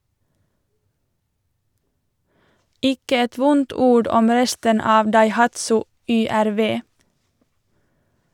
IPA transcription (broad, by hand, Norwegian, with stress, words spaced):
ˈɪkə ˈɛt ˈʋʊnt ˈuːɽ ˈɔm ˈɾɛstən ˈɑːʋ dɑɪˈhɑtsʊ ˌʏˌæɾˈʋeː